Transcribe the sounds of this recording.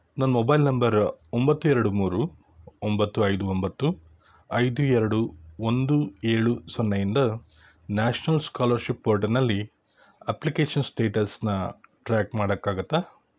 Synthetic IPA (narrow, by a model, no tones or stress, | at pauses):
nɐnːmɔbɐjlnɐmbɐɾombɐt̪ːuɛɾɐɽumuːɾu | ombɐt̪ːuɐjd̪uombɐt̪ːu | ɐjd̪uɛɾɐɽuond̪ueːɭusɔnːɐjind̪ɐ | naːʂnɐlskaːlɐɾʃipːoɾʈɐɾnɐlːi | ɐplikeːʂɐnsʈeːʈɐsnɐʈɾaːkmaːɽɐkːaːɡut̪ːaː